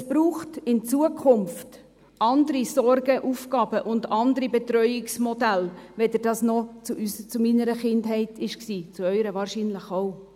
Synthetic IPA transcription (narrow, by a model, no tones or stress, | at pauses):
ɛsb̥ɾuːχtɪnt͡suəkʰχʊmft | ɑndəɾisɔrɡəʔufkɑːb̥əʔʊndɑnd̪əɾibɛtɾœʏɪksmɔdælʋɛd̪əɾd̥ɑːsnɔt͡suʔyst͡sʊminəɾəχɪndɦɛɪtɪʃksiːt͡suœʏɾəvɑːɾʃinləχo